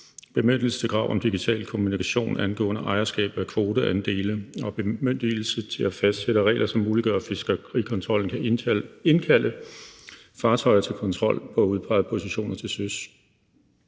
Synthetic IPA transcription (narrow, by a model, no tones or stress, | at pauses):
b̥e̝møn̰d̥l̩sə̥t͡sʰe̝ɡʁɑ̈ʊ̰ʔɒ̽md̥iɡ̥it͡sʰɛ̰ːlkʰo̝munikʰæɕo̝̰ːnænɡ̥ɔ̰̽ːnəʔɑ̈ɪɐsɡ̥ɛ̰ːb̥ð̩ˠækʰʋo̝ːd̥əʔænd̥e̝̰ːləɒ̽b̥emøn̰d̥il̩sət͡sʰe̝læfæsd̥seɾ̥əʁɛ̰ːɪlɐsɒ̽mːuːliɡ̥ɶɐfesɡ̥əʁḭkʰɒ̽nt͡sʰʁɒ̽l̰n̩kʰæenkʰælʔə | fɑ̈ːt͡sʰɒ̽ɪɐt͡sʰe̝lkʰɒ̽nt͡sʰʁɒ̽l̰pʰɒ̽æuð̞ˠpʰɑ̈ɪpʰo̝siɕo̝̰ːnɐt͡sʰe̝søs